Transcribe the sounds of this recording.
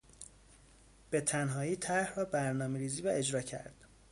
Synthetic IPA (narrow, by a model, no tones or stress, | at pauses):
b̥e̞t̪ʰænɦɒːiːt̪ʰæɾhrɒːbæɾnɒːmeɾiːziːvæe̞d͡ʒɾɒːcʰæ̰ɾd̪̥